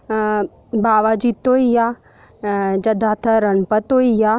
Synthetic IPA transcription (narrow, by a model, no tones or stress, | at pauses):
baːʋad͡ʒit̪oːija | d͡ʒɐd̪ʱaːt̪ʰɐɾɐnpɐt̪oːija